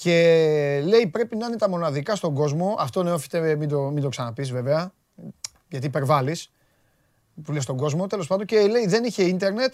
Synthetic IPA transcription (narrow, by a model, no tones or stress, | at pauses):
ce̞le̞ipɾe̞pinɐinet̪ɐmo̞nɐðikɐst̪o̞ŋɡo̞zmo̞ʔɐft̪o̞neofi̥t̪emind̪omind̪o̞ksɐnɐpisve̞veɐ | ʝɐt̪iipe̞ɾvɐlis | pulest̪o̞ŋɡo̞zmo̞t̪e̞lo̞s̬pɐnd̪ocele̞iðe̞niçe̞int̪e̞ɾne̞t̪